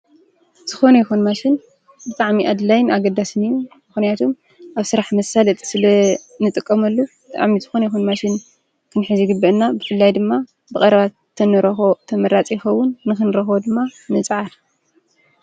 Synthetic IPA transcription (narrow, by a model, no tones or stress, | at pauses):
z̥ɨxo̞nɐjixunmaʃɪn | bɨt̪ʼaʕmiʔad̪lajɪnʔaɡɐd̪asɨnɨjumɨxnijat̪ʰum | ʔaβsɨɾaħmɐsalɐt̪ʼsɨlɐ | nɨt̪ʼɨkʼːɐmɐlːubɨt̪ʼa̰ʕmizɨxo̞nɐjixunmaʃɪn | kʰɨnħɨzɨɡɨbːɐʔnːabɨfɨlːajd̪ɨmːa | bɨkʼɐɾɐβa | t̪ʰɐnɨɾɐxot̪ʰɐmɐɾat͡sʼijɪxɐwːʊnːɨxɨnɾɐxβod̪ɨmːanɨt͡sʼʕaɾ